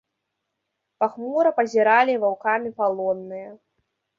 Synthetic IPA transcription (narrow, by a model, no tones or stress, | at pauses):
paxmɔɾɐpɐzʲiɾalʲivawkamʲipalˠɔnːɨjɐ